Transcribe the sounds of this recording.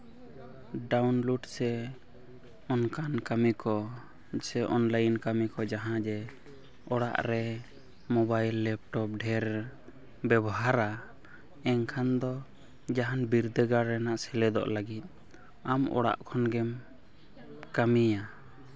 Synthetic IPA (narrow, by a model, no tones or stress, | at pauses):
ɖawnluɖsɛ | ɔnkankamikɔ | sɛʔɔnləjinkamikɔd͡ʒaɦãd͡ʒɛ | ɔɽa̰ʔɾɛ | mɔbajlːɛp̚ʈɔp̚ɖʱɛɾ | bɛbɔɦaɾa | ɛŋkʰand̪ɔ | d͡ʒaɦanbiɾd̪əɡaɾːɛnaʔsɛlɛd̪ɔ̰ʔlaɡit̪̚ˀ | amɔ̰ɽa̰ʔkʰɔnɡɛm | kamija